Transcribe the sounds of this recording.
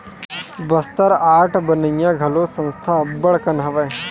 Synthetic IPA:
bɐst̪əɾaːʈʰbənəjːaɡʱɐlosə̃nst̪ʰabəɽkənɦɐʋəj

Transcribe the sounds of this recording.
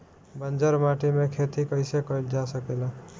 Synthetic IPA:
bənd͡ʒəɾmaʈimekʰet̪ikəɪsekəjld͡ʒasəkel

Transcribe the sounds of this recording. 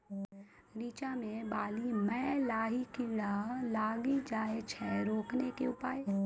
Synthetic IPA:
ɾiːt͡ʃamẽbaːlimɛ̃ːlaːɦikiɽalaːɡid͡ʒaːet͡ʃʰɛɾoːknekeʊpaːe

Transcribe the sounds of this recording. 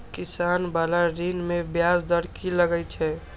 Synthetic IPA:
kisaːnbalaɾinmebjasd̪əɽkiləɡət͡ʃʰɛ

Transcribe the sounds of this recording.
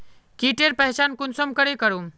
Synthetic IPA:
kiːʈeːɾpɐɦt͡ʃaːnkʊnsəmkəɾekəɾũː

